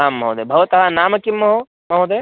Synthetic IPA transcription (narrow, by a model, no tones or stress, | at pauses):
aːmːɐɦod̪ebʱɐʋɐt̪ɐɦanaːmɐkimːɐɦo | mɐɦod̪e